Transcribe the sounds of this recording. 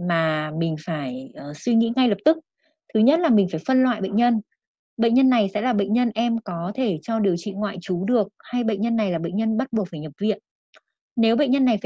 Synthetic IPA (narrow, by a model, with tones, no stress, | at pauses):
maː˨˩mï˨˩ŋ̟faː˧˩jʔːswi˧ŋḭ˧˥ŋa˧jlə˨˩p̚t̪ɨ˦˥k̚ | t̪ʰɨ˨˦ɲə˦˥t̚laː˨˩mï˨˩ŋ̟faː˧˩jfə˧nlwa̰ː˧˨jɓə̰˧˨ŋɲə˧n | ɓə̰˧˨ŋ̟ɲə˧nːa˨˩jsɛ̰˧˥laː˨˩ɓə̰˧˨ŋ̟ɲə˧nʔɛ˧mkɔ˨˦t̪ʰe˧˩t͡ɕɔ˧ɗi˨˩əwt͡ɕḭ˧˨ŋwa̰ː˧˨jt͡ɕu˨˦ɗɨ˨˩ək̚ha˧jɓə̰˧˨jŋ̟ɲə˧nːa˨˩jlaː˨˩ɓə̰˧˨ŋ̟ɲə˧nɓə˦˥t̚ɓu˨˩ək̚faː˧˩jɲə˨˩p̚vḭ˧˨ən | ne˨˦wɓə̰˧˨ŋɲə˧nːa˨˩jfaː˧˩